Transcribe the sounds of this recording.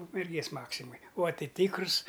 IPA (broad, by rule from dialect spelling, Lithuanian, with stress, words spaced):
ʊkmʲɛrʲˈɡʲeːs ˈmɑːksʲɪmoːj ʊɐ ˈtɨ ˈtʲɪkrʊs